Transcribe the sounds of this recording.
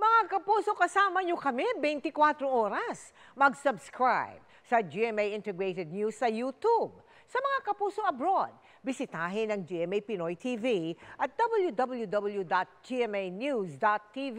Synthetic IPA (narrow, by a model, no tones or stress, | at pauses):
mɐŋakɐpuːso̞kɐsaːmɐɲokɐmɛbɛjnt̪ɪkwat̪ɾoʔoːɾɐs | mɐɡsɐbskɹajb̚ | sɐd͡ʒiɛmejʔɪnt̪ɛɡɹejt̪ɛd̪̚njusːɐjut̪ub̚ | sɐmɐŋakɐpuːso̞ʔɐbɾod̪̚ | bɪsɪt̪aːɦɪnɐŋd͡ʒiʔɛmejpɪnojt̪ʰiviʔɐt̪̚d̪̥ɐbɐljud̪ɐbɐljud̪ɐbɐlˠjud̪at̪̚d͡ʒiɛmejnjusd̪at̪ːivi